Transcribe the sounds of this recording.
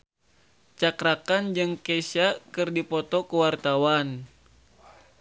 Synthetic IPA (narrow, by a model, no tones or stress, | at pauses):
t͡ʃakɾakand͡ʒɨŋkesakɨrdipɔt̪ɔkəwart̪awan